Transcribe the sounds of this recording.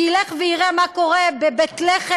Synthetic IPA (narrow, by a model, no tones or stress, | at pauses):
ileχveiʁemako̞ʁebebet̪leχe